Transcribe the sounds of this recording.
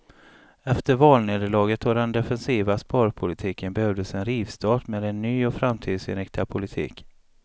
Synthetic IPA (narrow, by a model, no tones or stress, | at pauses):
ɛft̪əɾvɑːlneːd̪əɭɑːɡət̪vɔɖɛnd̪ɛfɛnsiːvaspɑːɾpʰʊlɪt̪ʰiːkənbɛhœvd̪əsɛnɾiːvst̪ʰɑːʈmeːd̪ɛnːyːɔfɾamːt̪ʰiːd̪sɪ̰nɾɪk̚t̪ɪapʰʊlɪt̪ʰḭːk